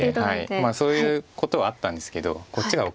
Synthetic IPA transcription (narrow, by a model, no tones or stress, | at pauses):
haimaso̞ːjɯ̟ːko̞t̪o̞βaːt̪ːãnd̪e̞sɨ̥ke̞d̪o̞̰kot͡ɕːiɡao